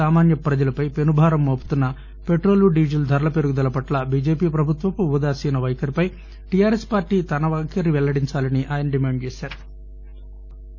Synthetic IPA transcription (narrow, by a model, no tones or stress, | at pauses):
aːmaːnjɐpɾɐd͡ʒɐlɐpɐjpe̞nubʱaːɾɐmːoːpu̥t̪unːɐ | peʈɾo̞ːluɖiːd͡ʒɐld̪ʱɐɾɐlɐpe̞ɾuɡud̪ɐlɐpɐʈlɐbiːd͡ʒeːpiːpɾɐbʱut̪ʋɐpuud̪aːsiːnɐʋɐjkɐɾipɐj | ʈijaːɾespaːɾʈiːt̪ɐnɐʋaːkʰɐɾiʋɛlːɐɽiɲt͡ʃaːlɐniʔaːjɐnɐɖimaːɳɖ̚t͡ʃeːsaːɾu